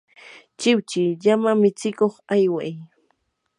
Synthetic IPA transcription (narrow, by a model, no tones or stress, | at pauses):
t͡ʃɪwt͡ʃɪʎamamɪt͡sɪkoχajwaj